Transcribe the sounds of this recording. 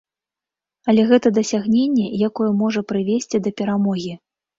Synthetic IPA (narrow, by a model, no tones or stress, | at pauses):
ɐlʲɛɣɛt̪ɐd̪ɐsʲaɣnʲenʲːɛjakɔjɛmɔʐɐpɾɨvʲesʲt͡sʲid̪ɐpʲɛɾamɔɣʲi